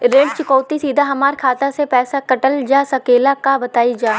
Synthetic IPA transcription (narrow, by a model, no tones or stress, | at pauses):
ɾeːɖ̚t͡ʃɪkɔːt̪isiːd̪ʱaɦɐmaːɾkʰaːt̪asepɛːsakɐʈəld͡ʒaːsɐkeːlakabɐt̪aːid͡ʒaː